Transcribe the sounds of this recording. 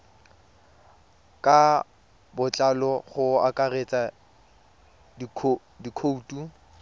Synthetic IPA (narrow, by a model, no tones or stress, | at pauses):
kʼa | bʊt͡ɬʼalɔχʊa̰kʼaret͡sʼa | dʰ | dikʰoutʼu